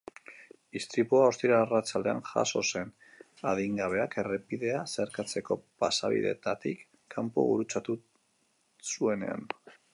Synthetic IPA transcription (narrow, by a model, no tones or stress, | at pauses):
ist̪ɾipuaost̪iɾaarat͡sald̪e̞a̰nxa̰so̞se̞n | aðiŋɡaβ̞e̞ake̞repiðe̞ase̞ɾkat͡se̞ko̞pasa̰βḭðe̞̰t̪at̪ikː | ampo̰βṵɾut͡sat̪u | sue̞ne̞̰a̰n